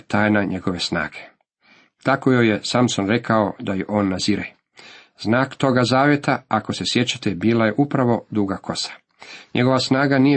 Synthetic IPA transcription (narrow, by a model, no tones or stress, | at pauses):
t̪aːjnaɲe̞ɡo̞ʋe̞sna̰ːɡe̥ | t̪akojojesamsonɾe̞kʰao̞d̪ajeʔo̞ːnːaziɾe | znaːkt̪o̞ɡazaːʋje̞t̪aakose̞sje̞t͡ɕḁt̪ebiːlaje̞ʔupɾaʋo̞d̪uɡako̞sḁ | ɲeɡo̞ʋasnaːɡanije